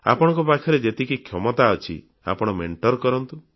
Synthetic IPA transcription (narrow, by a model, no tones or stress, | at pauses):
a̰pɔɽ̃ɔŋkɔpakʰjɔɾed͡ʒet̪ikikʰjɔmɔt̪aɔt͡ʃʰḭ | a̰pɔɽ̃ɔmeɳʈɔɾkɔɾɔnt̪u